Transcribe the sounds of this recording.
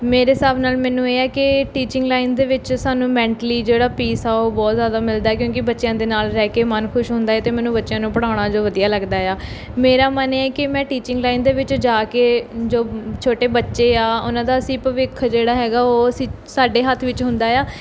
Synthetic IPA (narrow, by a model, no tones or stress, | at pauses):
meːɾeːsaːpnaːlmɛːnũːeːɛːkɪʈiːt͡ʃɪ̃ŋɡlaːind̪eːʋɪt͡ʃsaːnũːmɛ̃ːɳʈəliːd͡ʒeːɽaːpiːsaːoːbɔːt̪zjaːd̪aːmɪld̪aːɛːk̬jõːkɪbətːʃjãːd̪eːnaːlɾɛːkeːmənkʰʊʃɦʊ̃nd̪aːɛːt̪eːmɛːnũːbətːʃjãːnũːpəɽaːɽ̃aːd͡ʒoːʋəd̪ijaːləɡd̪aːjaː | meːɾaːmənːɛːkɪmɛ̃ːʈiːt͡ʃɪ̃ŋɡlaːind̪eːʋɪt͡ʃd͡ʒaːkeːd͡ʒoːt͡ʃʰoːʈeːbətːʃeːaːʊnãːd̪aːəsĩːpəʋɪkʰːd͡ʒeːɽaːɦɛːɡaːoːəsĩː | saːɖeːɦət̪ʰːʋɪt͡ʃɦʊ̃nd̪aːjaː